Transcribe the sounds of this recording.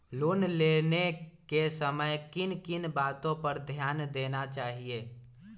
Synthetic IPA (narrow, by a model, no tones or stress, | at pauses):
loːnleːnekesəməjkɪnkɪnbaːt̪õpəɾd̪ʱjaːnd̪eːnat͡ʃaːɦieː